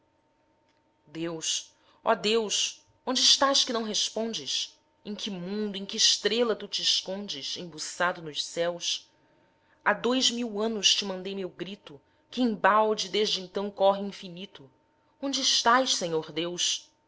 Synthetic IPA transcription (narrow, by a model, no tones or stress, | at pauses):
d̪ews | ɔ̰d̪ews | õnd͡ʒɪːʃt̪aʃkɪnɐ̃w̃ɦespõd͡ʒɪʃ | ẽj̃kɪmũnd̪ʊẽkɪʃt̪ɾelɐt̪ut͡ʃɪːʃkõnd͡ʒɪʃẽbusad̪ʊnʊʃsɛws | ad̪ojzmiwɐ̃nʊst͡ʃɪmɐ̃nd̪ejmewɡɾit̪ʊ | kɪẽbawd͡ʒɪd̪eʒd͡ʒɪẽnt̪ɐ̃w̃kɔɦɪĩfinit̪ʊ | õnd͡ʒɪːʃt̪ajʃsẽɲoɾd̪ews